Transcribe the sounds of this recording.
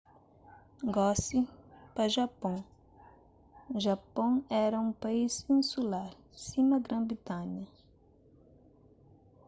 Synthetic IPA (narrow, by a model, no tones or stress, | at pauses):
ɡɔsipɐʒapõw | ʒapõɛɾɐũpaizĩsulaɾ | sĩmɐɡɾɐ̃bɾit̪ãɲɐ